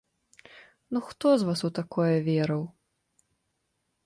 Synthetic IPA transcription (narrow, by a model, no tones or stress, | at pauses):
nuxt̪ɔzvasut̪akɔjɐvʲɛɾɐw